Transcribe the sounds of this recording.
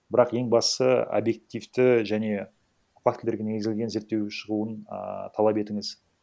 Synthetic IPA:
bɪɾɑqje̞ŋbɑssəo̰bje̞k̚t̪ijft̪ɪʒæne̞ | pɑkt̪ʰld̪eɾɡʲeeɡɪzelɡʲe̞nze̞ɾt̪ːe̞wʃəʁuən̰t̪ʰɑlˠɑpe̞t̪ɪŋɪz

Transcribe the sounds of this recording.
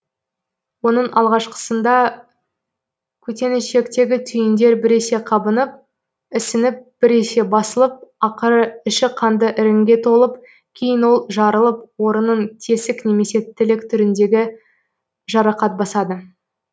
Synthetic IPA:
wo̞n̪əɴʔɑlˠʁɑʃqə̥sənd̪ɑ | kʲʰɵt̪e̞nɪʃe̞kt̪e̞ɡʲɪt̪ʰʏjɪnd̪e̞ɾbɪɾese̞qʰɑbənəp̚ | ɪsɪnɪp̚b̥ɪɾese̞bɑsəlˠəp̚ɑqəɾəɪʃɪqʰɑnd̪əʔɪɾɪŋɡʲe̞t̪ʰo̞lˠəp̚ | kʲʰe̞jɪnwo̞lˠʒɑɾəlˠəp̚wo̞ɾənəɴt̪ʰe̞sɪkne̞me̞se̞t̪ʰːɪlɪkt̪ʰʏɾɪnd̪e̞ɡʲɪ | ʒ̥ɑɾɑqɑt̪̚bɑsɑd̪ə

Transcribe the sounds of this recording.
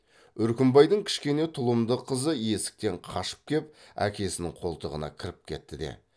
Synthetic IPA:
ʏɾkʲɪmbɑjd̪əŋkʲʰɪ̥ʃkʲe̞ne̞t̪ʰʊlˠəmd̪əqʰəzəje̞sɪ̥k̚t̪e̞ɴqʰɑʃə̥p̚kʲʰe̞pæ̰kʲe̞sɪnɪŋqʰo̞lˠt̪əʁənɑ̰kʲʰɪɾɪp̚kʲʰe̞t̪ːɪd̪e̞̰

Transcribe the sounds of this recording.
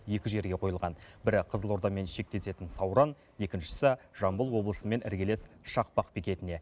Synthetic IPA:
je̞kʲɪʒe̞ɾɡʲe̞qʰo̞jəlˠʁɑnbɪɾɪqʰəzəlˠo̞ɾd̪ɑme̞nʃe̞k̚t̪e̞se̞t̪ɪnsɑwɾɑn | je̞kʲɪnʃɪ̥sɪʒ̥ɑmbəlˠwo̞blˠəsəme̞nʔɪ̰ɾɡʲele̞sʃɑq̚pɑqpikʲe̞t̪ɪne̞

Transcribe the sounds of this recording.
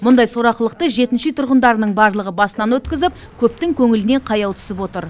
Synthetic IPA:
mʊnd̪ɑjso̞ɾɑqəlˠəq̚t̪əʒe̞t̪ɪnʃɪt̪ʰʊɾʁənd̪ɑɾənəɴbɑɾlˠəʁəbɑsənɑnwɵt̪kʲɪzɪp̚ | kʲʰɵp̚t̪ɪŋkʲʰɵŋɪlɪne̞ɴqʰɑjɑwt̪ʰʏ̥sɪpwo̞t̪əɾ

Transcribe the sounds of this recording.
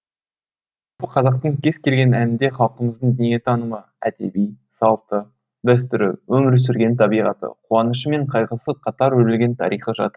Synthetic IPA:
ʒʒɑɑlˠpəqʰɑzɑq̚t̪əɴkʲʰe̞zkʲʰe̞lɡʲe̞nænɪnd̪e̞χɑlˠqəməzd̪əɴd̪ʏnije̞t̪ʰɑnəmə | æ̰d̪e̞̰bij | sɑlˠt̪ə | d̪æs̬t̪ʏɾɪ̰wɵmɪɾs̬ʏɾɡʲe̞nt̪ʰɑbijʁɑt̪ə̰qʰuɑnəʃ̬əme̞ɴqʰɑjʁəsəqʰɑt̪ɑɾwɵɾɪlɡʲe̞nt̪ʰɑ̰ɾijqəʒɑ̰t̪əɾ

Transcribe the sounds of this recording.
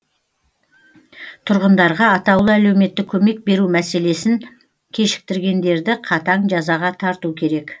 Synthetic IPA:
t̪ʰʊɾʁənd̪ɑɾʁɑːt̪ɑwlˠəæle̞wme̞t̪ːɪkʲʰɵme̞k̚be̞ɾumæse̞le̞sɪŋ | kʲʰe̞ʃɪ̥k̚t̪ɪɾɡʲe̞nd̪e̞ɾd̪ɪqʰɑt̪ɑɴʒɑzɑʁɑt̪ʰɑɾt̪ukʲʰe̞ɾe̞k

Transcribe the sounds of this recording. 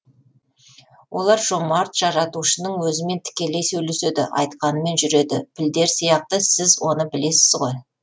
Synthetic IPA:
wʔo̞̰lˠɑɾʒ̥o̞mɑɾt̪ʒ̥ɑɾɑt̪uʃənəɴwɵzɪme̞nt̪ʰɪ̥kʲe̞lejsɵjle̞se̞d̪ɪ̰ʔɑ̰jt̪qɑnəme̞nʒʏɾe̞d̪ɪpʰɪld̪e̞ɾsijɑq̚t̪əsɪzwo̞nəbɪle̞sɪzʁo̞j

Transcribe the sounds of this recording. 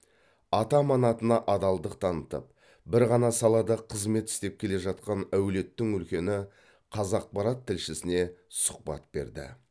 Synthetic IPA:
ɑt̪ɑmɑnɑt̪ənɑʔɑd̪ɑlˠd̪əq̚t̪ʰɑnət̪ə̰p̚ | bɪɾʁɑnɑsɑlˠɑd̪ɑqʰəzme̞t̪ɪ̥st̪e̞p̚kʲʰe̞le̞ʒɑt̪̚qɑnæwle̞t̪ːɪŋʏlkʲe̞nɪ | qʰɑzɑq̚pɑɾɑt̪ʰːɪlʃɪsɪne̞sʊ̥q̚pɑ̰t̪̚be̞̰ɾd̪ɪ̰

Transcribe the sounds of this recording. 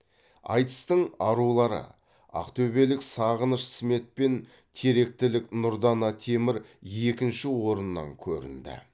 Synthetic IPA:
ɑ̰jt̪ə̥st̪əɴɑɾulˠɑɾə̰ | ɑ̰qt̪ʰɵbe̞lɪksɑʁənəʃɪ̥sme̞t̪̚pe̞n | t̪ʰe̞ɾe̞k̚t̪ɪlɪknʊɾd̪ɑnɑt̪ʰe̞mɪɾje̞kʲɪnʃɪwo̞ɾənːɑ̰ŋkʲʰɵ̰ɾɪ̰nd̪ɪ̰

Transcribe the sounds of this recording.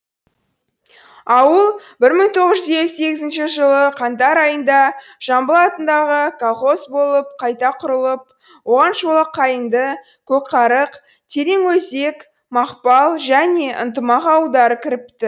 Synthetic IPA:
ɑwəlˠbɪɾməɴt̪ʰo̞ʁəʒʏzeɡze̞ɡʲɪzɪnʃɪʒəlˠəqʰɑnt̪ɑɾɑjənd̪ɑ | ʒ̥ɑmbəlˠɑt̪ənd̪ɑʁəkʰolˠχo̞sbo̞lˠəp̚qʰɑjt̪ɑqʰʊɾəlˠəp̚ | wo̞ʁɑnʃolˠəqʰːɑjənd̪ə | kʲʰɵk̚qʰɑɾəq | t̪ʰe̞ɾe̞ŋwɵze̞k | mɑqpɑlˠʒæne̞ʔə̰nt̪əmɑqɑwəlˠd̪ɑɾəkʲʰɪɾɪp̚t̪ɪ

